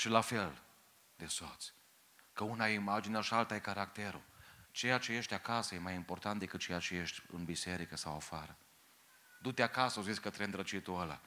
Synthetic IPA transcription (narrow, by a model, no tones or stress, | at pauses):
ʃilafe̞l | d̪e̞sot̪sʲ | kəunajeimad͡ʒineaʃialt̪ajekaɾakt̪eɾṵt͡ʃe̞jat͡ʃe̞je̞ʃt̪ʲakasəje̞majimport̪ant̪d̪ekɨt̪̚t͡ʃejat͡ʃeje̞ʃt̪ʲɨ̰nbise̞ɾikəsawafaɾə | d̪ut̪eakasəozit̪sʲkət̪ɾend̪ɾət͡ʃit̪uəla̰